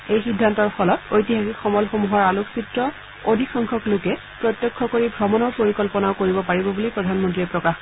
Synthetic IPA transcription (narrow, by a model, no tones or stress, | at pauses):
ejxidʱːantɔɹpʰɔlɔtojtiɦaxikxɔmɔlxomuɦɔɹaluksitɹɔ | odʱixʰɔŋkʰɔklʊkɛ | pɹɔt̪jɔkʰːɔkoɹibʱɹɔmɔnɔɹpoɹikɔlpɔnaokoɹibɔpaɹibɔbulipɹɔdʱanmɔntɹiɛpɹɔkax